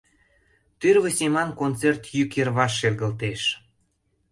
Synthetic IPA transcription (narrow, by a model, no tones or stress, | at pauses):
t̪yrβəsʲemɑnkont͡sert̪jykerβɑʃːelɣə̆lt̪eʃ